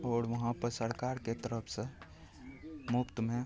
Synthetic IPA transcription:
ɔːɾʋɐɦãpəsəɾkaɾket̪əɾəpʰse | mupt̪mẽ

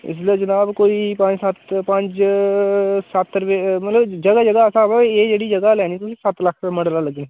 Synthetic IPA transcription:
ɪ̰s̬lied͡ʒənaːbkoːipãɲd͡ʒsɐt̪pə̃ɲt͡ʃ | sat̪ːəɾpemɐt̪ləbd͡ʒɐɡad͡ʒəɡaəsãbaed͡ʒeːɽid͡ʒɐɡalɛːñiːt̪ʊsĩsɐt̪ləkʰpeməɽlaləɡneː

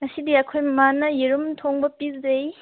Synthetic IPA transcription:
ŋɐsidiɐkʰojmanɐjiɾumtʰoŋbɐpizej

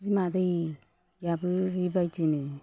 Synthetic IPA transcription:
ɾimadɯj | jabɯɾibajtinɯ

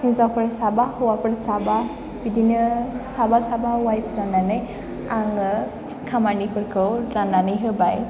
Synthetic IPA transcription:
hizawpʰɯɾsabahɔwapɯɾsaba | bidʱinːəsabasabawajsɾananɯj | aŋɯ | kʰamanipʰɯɾkʰɯwɾananɯjɦɯbaj

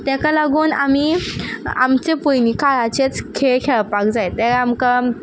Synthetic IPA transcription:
t̪jãkalaɡuːnami | a̰mt͡ɕepujnikaɭat͡ɕet͡skʰeɭkʰeɭpak̚d͡zajt̪ɛamka

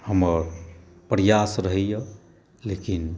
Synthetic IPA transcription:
həməɾ | pɾjasɾəɦɛjə | lekin

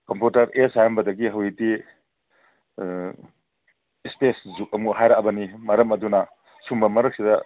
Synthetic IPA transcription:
kɐmputɐɾesajɐmbɐdɐɡiɦɐwiti | speszuk̚ɐmuɦajɾaʔbɐnimɐɾɐmɐdunɐ | sumbɐmɐɾɐk̚sidɐ

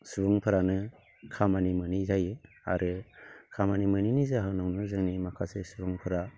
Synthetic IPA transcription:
subɯŋpʰɯɾanɯ | kʰamanimɯnizaje | a̰ɾʔɯkʰamanimɯninizaɦɯnɔŋnɯzɯŋnimakʰasesubɯŋpʰɯɾa

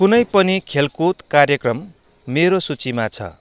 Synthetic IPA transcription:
kunʌjpʌnikʰelkut̪karjʌkrʌmː | eɾosut͡simat͡sʰʌ̰

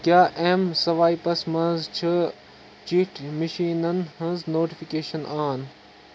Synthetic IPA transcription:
kjaːʔemsɐʋaːipɐsmɐ̃zt͡ʃʰɐ | t͡ʃiːʈmɐʃiːnɐnɦɐ̃znoːʈifikeːʃɐnaːn

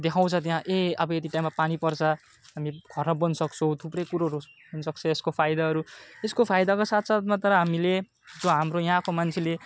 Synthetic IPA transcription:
d̪ekʰãw̃t͡sʰʌt̪jɦãʔeʌbʌet̪iʈajmapanipʌrt͡sʰʌ | ɦamiɡʱʌrʌbʌnsʌkt͡sʰʌw̃t̪ʰuprʌjkuɾoɦɾu | ɦunsʌkt͡sʰʌeskopʰajd̪aɦʌɾueskopʰajd̪akosat̪ʰsat̪mat̪ʌɾʌɦamile | d͡zoɦamɾojʌɦãkomant͡sʰile

